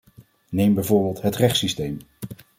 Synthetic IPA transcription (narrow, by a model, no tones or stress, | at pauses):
nejmbɛjvʊːɹbɪːlˠtɦətrɛχtsistejm